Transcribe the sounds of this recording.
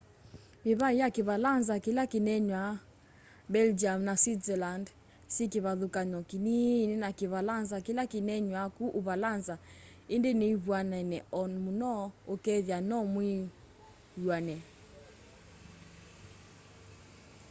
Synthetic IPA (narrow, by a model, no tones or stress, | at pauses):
miβaijakiβalanzakilakinɛɲwa | bɛld͡ʒiamnaswitzɛland | sikiβaðukaɲɔkininɛnakiβalanzakilakinɛɲwakuʔuβalanza | endeneiβwanɛnɛɔnmunɔokɛðjanɔmwi | jwanɛ